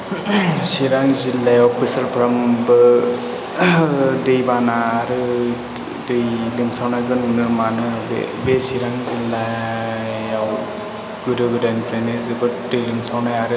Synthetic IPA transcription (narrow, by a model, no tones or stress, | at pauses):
siɾaŋzilːajɔpisɐlpʰɾambɯ | dejbanaːɾɯ | dɯjlimsawnajɡɯnunɯmanɯbḛbesiɾaŋzilːa | jaw | ɡudɯɡɯdanpʰɾenezebɯdɯjlimsawnajaɾɯ